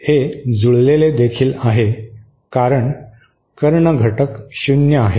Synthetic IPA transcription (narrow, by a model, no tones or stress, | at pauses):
hed͡zuɭleled̪ekʰiːlaɦe | kaɾəɳ | kəɾɳəɡʱəʈəkɕunjəaɦe